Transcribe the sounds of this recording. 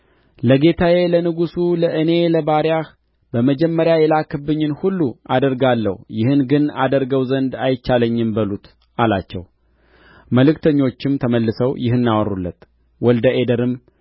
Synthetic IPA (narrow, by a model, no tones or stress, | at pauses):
ləɡe̞t̪ʰaje̞lənɨɡusuləʔɨne̞ləbaɾjah | bəməd͡ʒɛmːəɾjajɛlakʰɨbɨɲːɪnhulːuad̪əɾɡalːə̰hjɪhɨnɡɨna̰d̪əɾɡəwzənd̪ajɪt͡ʃːaləɲːɪmbəlut̪ | alat͡ʃːɛ̰w | məlɨkt̪ʰəɲːo̞t͡ʃːɪmt̪ʰəməlːɨsəwjɪhɨnːawɔrulːə̰t̪ | wɔld̪əʔe̞d̪əɾɨm